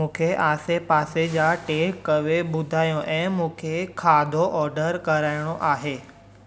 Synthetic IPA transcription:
ũːkʰeʔaːsepaːsed͡ʑaʈeːkːɐʋeɓʊd̪ʱaːjõʔɛ̃ːmũːkʰekʰaːd̪ʱoʔɔːɾɖəɾkɐɾaːɪɽ̃oʔaːɦeː

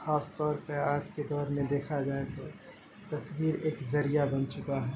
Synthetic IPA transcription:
xaːst̪ɔːɾpɐɾaːd͡ʒked̪ɔːɾmẽd̪eːkʰad͡ʒaːet̪o | t̪ɐswiːɾeːkzɐɾijabɐnt͡ʃʊkaɦɛː

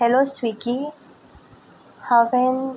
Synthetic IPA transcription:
hɛloswiɡi | havɛ̃n

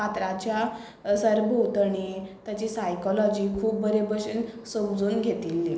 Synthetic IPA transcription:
at̪ɾat͡ɕja | səɾbʱowt̪əɳ̃it̪jat͡ɕiːsajkɔlɔd͡ʑiːkʰuːp̚bəɾebəɕinsəmd͡zuːnɡʱet̪ilːi

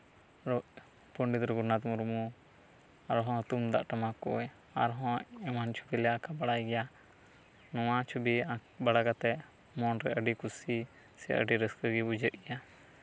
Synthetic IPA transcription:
ɾɔʔ | puɳɖit̪ɾɛɡunat̪muɾmu | aɾɦɔ̃t̪umd̪a̰ʔʈamakɔ̰ɛj | aɾɦɔ̃ʔɛmant͡ʃʰu̥bilɛakabaɽajɡɛja | nɔwat͡ʃʰubiabaɽakat̪ɛʔ | mɔnɾɛʔəɖikusi | sɛ̰ə̰ɖiɾəskəɡibud͡ʒəʔ̚ɡɛja

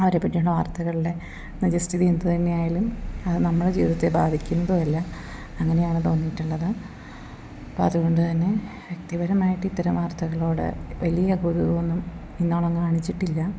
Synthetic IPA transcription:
ɐʋɐɾepːɐʈːijuɳɭːɖɐʋaːrt̪ɐɣɐɭiɽe̞ | ned͡ʑɐsʈiðiend̪ɨt̪ɐnːejaːjaːlumɐðɨnɐmːuɽed͡ʑiːðɐt̪ːebaːd̪ʱikʲːunːɐðuɐlːɐ | ɐŋːɐne̞jaːɳɨt̪o̞ːnːijʈːuɭːɐðɨ | ɐpːo̰ɐðuɣo̞ɳɖɨt̪ɐnːe̞ | ʋjɐkt̪iʋɐɾɐmaːjiʈːɨit̪ːɐɾɐmʋaːrt̪ɐɣɐɭo̞ːɽɨ̰ʋɐlijɐɡuðiɣɐonːum | inːo̞ːɭɐmkaːɳit͡ɕːiʈːilːɐ

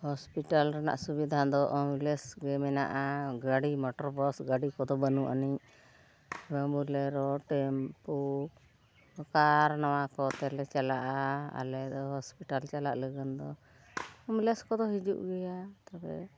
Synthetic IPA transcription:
hɔspiʈalɾana̰ʔsubid̪ʱad̪ɔʔɔmlɛsɡɛmɛna̰ʔaɡaɽimɔʈɔɾbɔsɡaɖikɔd̪ɔbənuʔa̰niɲ | bɛmbulɛɾɔʈɛmpu | kaɾnawakɔt̪ɛlɛt͡ʃalaʔaa̰lɛd̪ɔɦɔspiʈalt͡ʃala̰ʔləɡənd̪ɔ | ɔmlɛskɔd̪ɔɦid͡ʒuʔɡɛjat̪abɛ̰

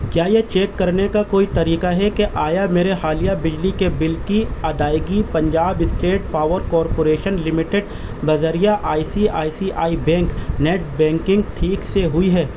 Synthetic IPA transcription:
kjaːjet͡ʃeːkːɐɾnekakoːit̪ɐɾiːkaɦɛkeʔaːjameːɾexaːlijabɪd͡ʒlikebɪlkiɐd̪aːɪɡipɐ̃ɲd͡ʒaːbɪsʈeːʈ̚paːʋəɾkɔːɾpoːɾeːʃənlɪmɪʈeɖ | bɐzəɾijaʔaːisiaːisiʔaːibɛ̃ːŋknɛːʈ̚bɛ̃ːŋkɪ̃ŋɡʈʰiːkseɦʊiɦɛː

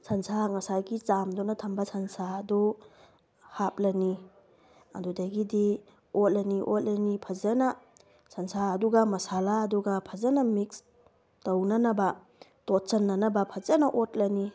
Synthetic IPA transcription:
sʰɐnsʰaŋɐsajɡit͡ʃamdunɐtʰɐmbɐsʰɐnsadɔ | hap̚lɐni | a̰dudajɡidi | ot̚lɐniʔot̚lɐnipʰɐzɐnɐ | sʰɐnsaːduɡɐmɐsalaːduɡɐpʰɐzɐnɐmiks | townɐnɐbɐ | tot̚t͡ʃɐnːɐnɐbɐpʰɐzɐnɐʔot̚lɐni

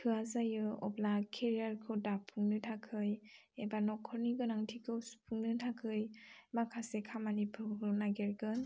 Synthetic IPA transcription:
kʰɯazajɯɔ̰blakʰeɾiaɾkʰɯwdapʰuŋnɯtʰakʰɯj | ebanɔkʰɔɾniɡɯnaŋtʰikʰɯwspʰuŋnɯtʰakʰɯjmakʰasekʰamanipʰɯɯnaɡeɾɡɯn

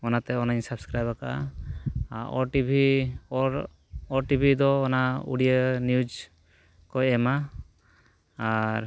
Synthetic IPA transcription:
ɔnat̪ɛɔnajnsabskɾajbakaʔa̰ | ɔʈibʱi | ɔɾʈibʱid̪ɔːnaṵɽijənjud͡ʒ | kɔɛma | ɾ

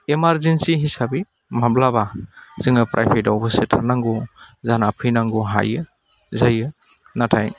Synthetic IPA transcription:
emaɾzensiɦisabi | mablabaz̥ɯŋɯpɾʔa̰jpʰetawbɯsitʰaɾnaŋɡɔzanapʰɯjnaŋɡɔɦa̰jɯ | zajɯ | natʰaj

